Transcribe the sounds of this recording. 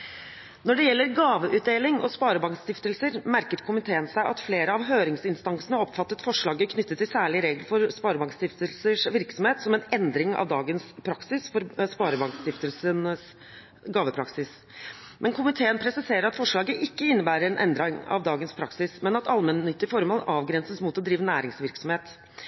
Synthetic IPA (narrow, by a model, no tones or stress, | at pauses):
nɔɖɛjɛlːəɾɡɑːʋəʔʉːt̪̚d̪eːlɪŋɔ̰spɑːɾəbɑŋkst̪ɪft̪əlsəɾmæɾkət̪kʰʊmɪt̪ʰeːənsæɪʔɑt̪fleːɾəɑʋɦøːɾɪŋsɪnst̪ɑŋsənəɔpːfɑt̪ːət̪fɔʂɭɑːɡəkʰnʏt̪ːət̪ʰːɪlsæːɭɪɾeːɡlfɔɾspɑːɾəbɑŋkst̪ɪft̪əlsəʂʋɪɾksɔmheːt̪sɔmɛnɛnd̪ɾɪŋɑ̰ʋd̪ɑːɡənspʰɾɑksɪsfɔɾspɑːɾəbɑŋkst̪ɪft̪əlsənəs | ɡɑːʋəpʰɾɑksɪs | mʔɛnkʰʊmɪt̪ʰeːənpʰɾɛsɪseːɾəɾɑt̪fɔʂɭɑːɡəʔɪkːəɪnːəbæːɾəɾɛnʔɛ̰nd̪ɾɪŋɑ̰ʋd̪ɑːɡənspʰɾɑksɪsmɛnɑt̪ɑlmənːʏt̪ːɪfɔɾmɔːlɑːʋɡɾɛnsəsmuːt̪ɔd̪ɾiːʋənæːɾɪŋsʋɪɾksɔmheːt̪